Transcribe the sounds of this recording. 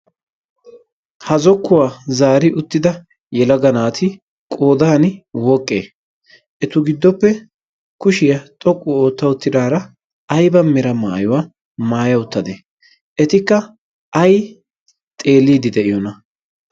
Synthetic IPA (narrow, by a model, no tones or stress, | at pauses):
hɐzɔkːʊwaːzaːɾɪʔʊt̪ːɪd̪ɐ | jɛlɐɡɐnaːt̪ʰɪ | kʼo̞ːd̪aːnɪwɔkʼːeː | ʔɛt̪ʊɡɪd̪ːɔpːɛ | kʊʃɪjɐt̪ʼɔkʼːʊo̞ːt̪ːɐwʊt̪ːɪd̪aːɾɐː | jbɐmɪɾɐma̰ːjʊwaː | maːjɐʊt̪ːɐd̪e | ʔɛt̪ɪkːɐ | ʔɐj | t̪ʼe̞ːlːiːd̪ɪd̪ɛʔɪjɔnɐ